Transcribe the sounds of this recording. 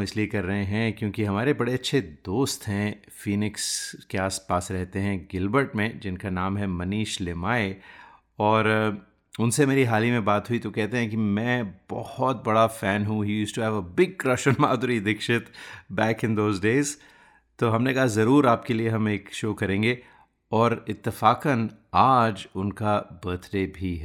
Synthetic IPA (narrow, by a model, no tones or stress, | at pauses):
mɪsliekɐɾːɐɦẽɦɛ̃kjõːkiɦɐmaːɾebɐɽeɐtːʃʰed̪oːst̪ɦɛ̃ | fiːnɪkskeaːspaːsɾɛɦt̪eɦɛ̃ɡɪlbəɾʈmẽd͡ʒɪnkanaːmɦɛmɐniːʃlɪmaːe | ɔːɾ | ʊnsemeːɾiɦaːlimẽbaːt̪ɦuit̪okɛɦt̪eɦɛ̃kimɛ̃b̥ɔ̰hɔt̪̚bɐɽafɛ̃ːnɦũɦijuːsʈuɦɛʋəbɪɡ̚kɾɐʃə̃nmaːd̪ɾid̪ɪkʃɪt̪bɛːkɪ̃nd̪oːzɖeːz | t̪oːɦɐmnekɐɦazɐɾuːɾaːp̚kelieɦɐ̃meːkʃoːkɐɾẽːŋɡe | ɔːɾɪt̪ːɪfaːkənaːd͡ʒʊnkabəːt̪ɾebʱiɦɛ